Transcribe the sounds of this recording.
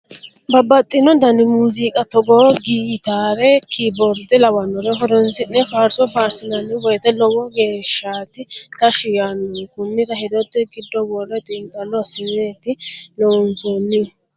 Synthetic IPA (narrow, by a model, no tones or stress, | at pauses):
bɐbɐt̪ʼːɪnɔd̪ɐnɪmuːzɪkʼɐt̪ɔɡɔɡiːt̪aːɾɛkʰɪbɔɾd̪ɪlɐwɐnːɔɾɛɦɔd̪ɔnsɪnːɛfaːɾsɔfaːɾsɪnɐnːɪwɔjt̪ːɛlɔwɔɡe̞ːʃːaːt̪ɪt̪ɐʃɪjanːɔkʊnːɪt̪ɐhɪd̪ɔt̪ːɛɡɪd̪ːɔbɔrːɛt̪ʼɪnt̪ʼɐnːɔsɪneːt̪ːɪlɔwɔnsonːɪ